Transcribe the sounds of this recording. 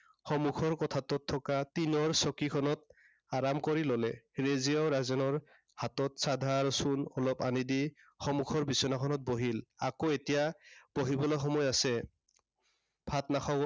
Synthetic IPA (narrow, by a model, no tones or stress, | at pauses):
xɔmukʰɔɹkɔtʰatɔtʰːɔkatinɔɹsɔkikʰɔnɔt̚ | aɹamkɔɹilɔlɛɹeziɔɹazɔnɔɹ | hatɔtsad̪ʱaɹsunɔlɔpanidi | xɔmukʰɔɹbisɔnakʰɔnɔt̚boɦila̰koetijab̥oɦibɔlɔxɔmɔjasɛ | bʱatnaxʰɔ